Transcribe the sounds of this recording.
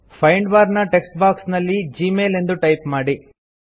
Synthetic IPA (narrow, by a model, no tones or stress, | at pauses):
fʰɐjɳɖʋaːɾnɐʈeksʈbaːksnɐlːid͡ʒiːmeːle̞nd̪uʈɐjpmaːɽi